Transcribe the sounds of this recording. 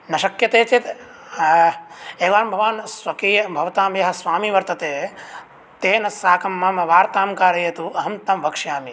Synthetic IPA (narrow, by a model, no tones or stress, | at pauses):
nɐʃɐkjɐt̪eːt͡ʃit̪ | eːʋaːmbʱɐʋaːnsʋɐkiːjɐbʱɐʋɐt̪aːmjɐɦɐ̆sʋaːmiʋɐɾt̪ɐt̪eː | t̪eːnɐsaːkɐmːamɐʋaːɾt̪aːmkaːɾɐjɐt̪uɐɦɐmt̪ɐmʋɐkʂjaːmi